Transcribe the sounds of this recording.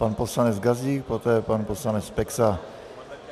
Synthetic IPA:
panposlanɛt͡sɡaziːkpot̪ɛːpanposlanɛt͡spɛksa

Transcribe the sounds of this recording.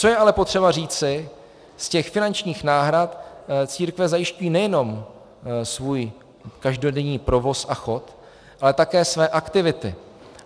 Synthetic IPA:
t͡so̞jɛʔalɛpot̪r̥ɛbar̝iːt͡sɪ | scɛxfɪnant͡ʃɲiːxnaːɦɾat̪t͡siːɾkvɛzajɪʃcujiːnɛjɛno̞m | svuːj | kaʒdo̞dɛɲiːpɾo̞vo̞sʔaxo̞t̪ | ʔalɛt̪akɛːsvɛːʔakt̪ɪvɪt̪ɪ̰

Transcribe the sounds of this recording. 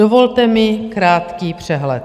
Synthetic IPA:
ovo̞lt̪ɛmɪkɾaːt̪kiːpr̝̥ɛɦlɛ̰t̪

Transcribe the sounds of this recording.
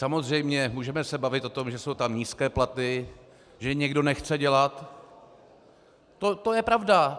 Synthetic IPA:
samo̞zr̝ɛjmɲɛmuːʒɛmɛsɛbavɪt̪ʔo̞t̪o̞mʒɛso̞wt̪amɲiːskɛːplat̪ɪ | ʒɛɲɛɡdo̞nɛxt͡sɛɟɛlat̪ | ot̪o̞jɛpɾavda

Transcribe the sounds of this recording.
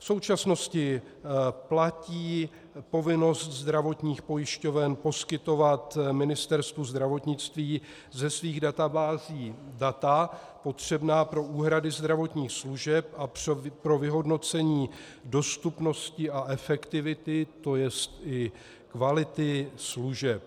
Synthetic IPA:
fso̞wt͡ʃasno̞scɪ | placiː | po̞vɪno̞st̪zd̪ɾavo̞t̪ɲiːxpo̞jɪʃco̞vɛnpo̞skɪt̪o̞vat̪mɪnɪst̪ɛɾst̪vuzd̪ɾavo̞t̪ɲɪt͡st̪viː | zɛsviːɣdat̪abaːziːdat̪a | po̞t̪r̥ɛbnaːpɾo̞ʔuːɦɾadɪzd̪ɾavo̞t̪ɲiːxsluʒɛp̚ʔappɾo̞vɪɦo̞dno̞t͡sɛɲiː | do̞st̪upno̞scɪʔaʔɛfɛkt̪ɪvɪt̪ɪt̪o̞jɛst̪ʔɪ | kvalɪt̪ɪsluʒɛp̚

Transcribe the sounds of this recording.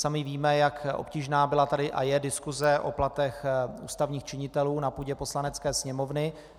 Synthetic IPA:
samɪviːmɛjakʔo̞̰pciːʒnaːbɪlat̪adɪʔa̰jɛdɪskuzɛʔo̰plat̪ɛxṵːst̪avɲiːxt͡ʃɪɲɪt̪ɛluːnapuːɟɛpo̞slanɛt͡skɛːsɲɛmovnɪ

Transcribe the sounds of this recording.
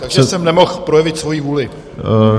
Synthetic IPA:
t̪aɡʒɛɛsɛmnɛmo̞xpɾo̞jɛvɪt̪svo̞jiːvuːlɪ

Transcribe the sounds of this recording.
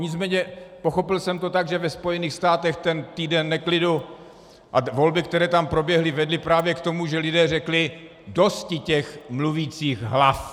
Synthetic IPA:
ɲɪt͡smɛːɲɛpo̞xo̞pɪlsɛmt̪ot̪aɡʒɛvɛspo̞jɛniːxst̪aːt̪ɛxt̪ɛnt̪iːdɛnːɛklɪdu | ʔavo̞lbɪkt̪ɛɾɛːt̪ampɾo̞bjɛɦlɪvɛdlɪpɾaːvjɛkt̪o̞muʒɛlɪdɛːrɛklɪ | do̞scɪcɛxmluviːt͡siːɣɦlaf

